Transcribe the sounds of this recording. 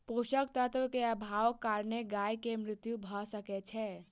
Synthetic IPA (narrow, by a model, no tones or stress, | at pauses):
poʃək̚t̪ət̪ʋəkeəbʱawkːaɾneɡajkemɾɪt̪jubʱɔsəkɛt͡ʃʰɛ